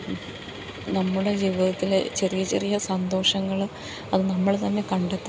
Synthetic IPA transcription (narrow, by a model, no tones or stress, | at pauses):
nɐmːuɽe̞d͡ʑiʋiðɐt̪ːilet͡ɕerijɐt͡ɕerijɐsɐnd̪o̞ːʂɐŋːɐɭ | ɐðɨnɐmːɐɭt̪ɐnːe̞kɐɳɖet̪ː